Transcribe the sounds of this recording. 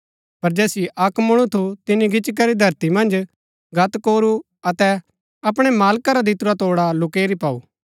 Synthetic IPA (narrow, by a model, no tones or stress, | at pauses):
pɐɾd͡ʒɛːsiʔɐkmɐɽ̃ut̪ʰut̪ɪniɡɪt͡ʃk̬ɐɾid̪ʱɐɾt̪imɐ̃nd͡ʒ | ɡʱɐt̪koːɾu | ɐt̪ɛ | ɐpɽ̃ɛmaːlkaɾad̪ɪt̪uɾat̪oːɽalʊkeːɾipaːṵː